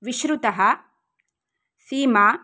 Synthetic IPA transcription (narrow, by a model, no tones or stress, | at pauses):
ʋiʃɾut̪ɐɦɐ | siːmaː